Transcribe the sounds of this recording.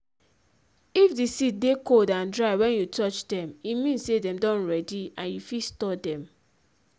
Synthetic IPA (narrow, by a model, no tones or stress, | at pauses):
ifdisit̚dekoldãndɹaɪwɛ̃njutɔt͡ʃdɛ̃mimĩnsedɛ̃mdɔ̃nɹɛdiãnjufistɔdɛ̃m